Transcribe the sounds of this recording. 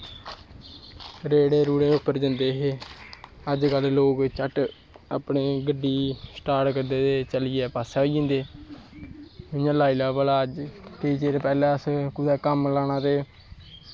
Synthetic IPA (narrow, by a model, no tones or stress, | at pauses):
ɾeːɽeːɾuːɽẽːʊpːəɾd͡ʒənd̪eːɦeː | əd͡ʒkəlːoːkt͡ʃəʈ | ə̰pneːɡəɖːiːsʈaːɾʈkəɾd̪eːt̪eːt͡ʃəliːɛːpaːsaːid͡ʒɪ̃ːnd̪eː | ʊjãːlaːilaːbəlaːəd͡ʒʈəiːt͡ʃeɾpɛːlɛ̃ːəskʊd̪ɛːkəmlaːñãːt̪eː